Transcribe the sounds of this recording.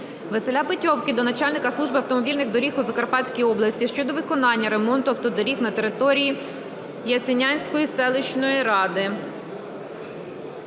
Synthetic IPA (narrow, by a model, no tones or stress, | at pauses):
ʋeselʲabɪtʲɔwkɪd̪ɔnɐt͡ʃɑlʲnɪkɐslˠuʒbɪɐwt̪ɔmɔbʲilʲnɪxd̪ɔɾʲixuzɐkɐrpɑtʲsʲkʲijɔblˠɐsʲtʲiʃt͡ʃɔd̪ɔʋɪkɔnɑnʲːɐɾemɔnt̪ʊɐwt̪ɔd̪ɔɾʲixnɐt̪eɾɪt̪ɔɾʲiji | jɐsʲenʲanʲsʲkɔjisɛlˠɪt͡ʃnɔjiɾɑd̪ɪ